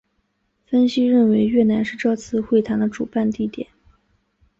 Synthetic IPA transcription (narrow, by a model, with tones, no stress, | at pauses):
fə˥nɕi˥ɻə˥˩nwe˧˥ɪɥɛ˥˩na˧˥nʂɻ̩˥˧ʈ͡ʂɤ˥˧t͡sʰɹ̩˥˧xwe˥˩ɪt̪ʰa˧˥d̪ə˧ʈ͡ʂṵ˨˩pa˥˧nt̪i˥˩t̪jɛ̰˨˩˦n